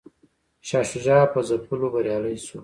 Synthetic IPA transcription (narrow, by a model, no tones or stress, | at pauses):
ʃɑʃuʒɑpəzapulobaɾjɑləjsu